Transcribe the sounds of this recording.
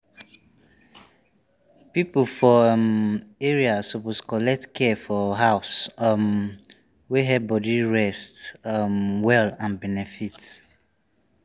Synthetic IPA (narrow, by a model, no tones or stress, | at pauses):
piplfɔmeɹiasoposkɔlɛk̚tkʰɛfɔɦaʊsm | weɦɛbɔdiɹɛstmwɛlãnbɛnɛfit